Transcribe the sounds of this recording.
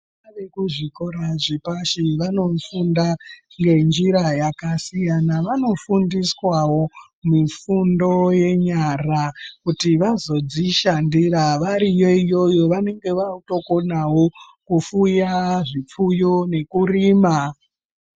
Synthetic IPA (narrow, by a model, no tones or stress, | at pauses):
aʋekuʐiko̞ɾaʐipaʃiʋano̞funda | ŋɡe̞nd͡ʒiɾajakasijanaʋano̞fundiswawo̞ | mifundo̞je̞ɲarakutiʋazo̞d͡ziʃandiraʋaɾijoijo̞jo̞ʋane̞ŋɡe̞ʋauto̞ko̞nawo̞ | kufujaʐip͡fujo̞ne̞kuriːma